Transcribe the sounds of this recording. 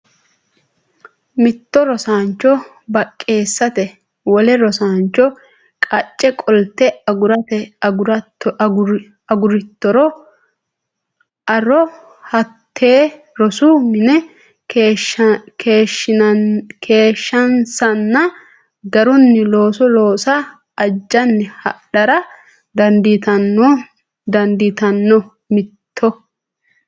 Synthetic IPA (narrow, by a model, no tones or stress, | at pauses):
mɪt̪ːɔɾɔsaːnt͡ʃːɔ | bɐkʼːe̞ːsːɐt̪ɛ | wɔlɛɾɔsaːnt͡ʃːɔ | kʼɐt͡ʃʼːɛkʼɔlt̪ːɛɐɡʊɾɐt̪ɛɾ | ɐɡʊɾɪt̪ːɔɾɔ | ɐɾɔ | hɐt̪ʰːeː | ɾɔsumɪnɛ | kʰeːʃːɪkʰe̞ːʃːɐnsɐnːɐ | ɡɐɾʊnːɪloːsɔloːsa | ɐd͡ʒːɐnːɪhɐ̰ᶑɐɾɐ | d̪ɐnd̪it̪ɐnː | d̪ɐnd̪it̪ɐnːɔ | mɪt̪ʰːɔ